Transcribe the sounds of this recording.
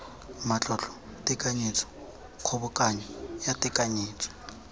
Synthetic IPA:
mat͡ɬʼɔt͡ɬɔ̥tʼɪkʼaɲit͡sʰɔ̥ | kʰɔβʊkʼaɲɔjatʼɪkʼaɲiːt͡sʰʼɔ̥

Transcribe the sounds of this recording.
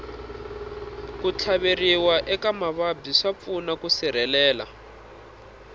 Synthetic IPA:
kut͡ɬʰaβeriwaʔɛkamaβabiʂap̪funakusiɾ̤ɛlɛːla̰

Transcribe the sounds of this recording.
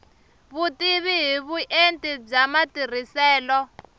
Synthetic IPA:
βutiβiɦiβuʔentʼib͡ʐamatir̤isɛːlɔ

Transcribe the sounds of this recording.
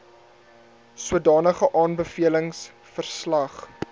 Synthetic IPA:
suədɑːnəχəʔɑːnbəfiələŋs | fərslɐχ

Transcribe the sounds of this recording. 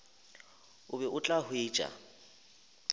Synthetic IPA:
ʊbɛʔʊt͡ɬʼahʊeːt͡ʃʼa̰

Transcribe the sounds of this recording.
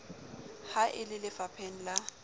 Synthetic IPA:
haʔɪlɪlɪfapʰɛn̩la

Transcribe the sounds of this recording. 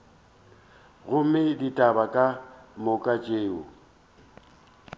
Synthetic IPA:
ɣʊmɪditʼabakʼamʊkʼat͡ʃʼeːʊ̰

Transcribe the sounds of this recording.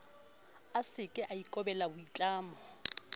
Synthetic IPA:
asɪkʼɪʔaikʼɔbɛlabʊit͡ɬʼaːmɔ

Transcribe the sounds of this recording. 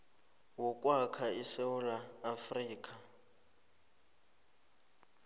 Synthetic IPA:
wɔkʼwakʰaisewulaːfriːkʼa

